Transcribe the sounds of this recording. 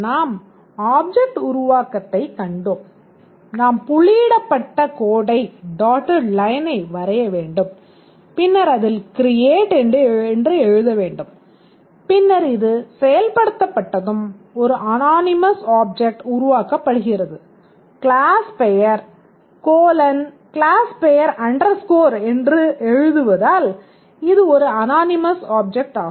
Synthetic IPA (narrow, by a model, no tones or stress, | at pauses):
naːm | aːb̚d͡ʒɛk̚ʈʊɾʊʋaːkɐt̪ːɐɪkɐɳɖoːm | naːmpʊɭiːɽɐpːɐʈːɐkoːɽɐɪɖaːʈːɐɾlɐjɐnɐɪʋɐɾɐjɐʋeːɳɖɯm | pɪnːɐɾɐðɪlkɪɾɪjeːʈɛnɖɯɛndrɯɛɻɯðɐʋeːɳɖɯm | pɪnːɐɾɪðɯsɛjɐlpɐɽɯt̪ːɐpːɐʈːɐðɯmɔɾɯʔɐnaːnɪmɐsaːb̚d͡ʒɛk̚ʈʊɾʊʋaːkɐpːɐɽɯɣɪrɐðɯ | kɪɭaːspɛjɐɾ | koːlɐn | kɭaːspɛjɐɾɐɳɖɐɾskoːɾɛndrɯɛɻɯðɯʋɐðaːl | ɪðɯɔɾɯɐnaːnɪmɐsaːb̚d͡ʒɛk̚ʈaːɣ